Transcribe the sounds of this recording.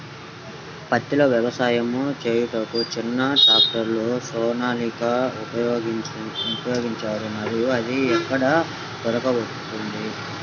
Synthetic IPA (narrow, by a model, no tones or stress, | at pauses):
pɐt̪ːiloːʋjɛʋɐsaːjɐmut͡ʃe̞ːjuʈ̪okut͡ʃinːɐɖaːkʈɐɾlosɔːnaːlikɐupɐj | upɐjoːɡiɲt͡ʃaːɾunɐɾijuɐd̪iɛkːɐɽɐ | d̪ɔɾɐkɐʋott̪und̪i